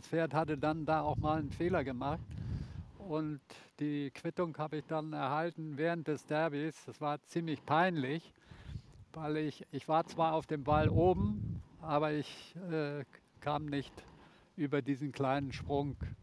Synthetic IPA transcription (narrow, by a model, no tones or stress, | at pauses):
sfeːɐthatədandaːaʊxmaːlənfeːlɐɡəmaχt | ʊntd̥iːkv̥ɪtʊŋhaːbəɪçd̥anɛɐhaltn̩vɛːʁ̞ənt̚d̥ɛsd̥ɛɐbisd̥asv̥aːɐt͡siːmlɪçpʰaɪnlɪç | v̥aɪlɪçɪçv̥aːɐt͡sv̥aːɐaʊfd̥eːmvalʔoːbm̩ʔaːβɐɪçɛː | kʰaːmnɪçt | ʔyːbɐdiːzn̩kl̥aɪnənʃpʁ̥ʊŋ